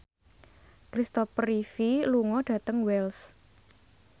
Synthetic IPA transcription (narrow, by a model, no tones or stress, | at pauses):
kɾist̪ɔfrifiluŋɔɖ̥ä̤t̪əŋwɛls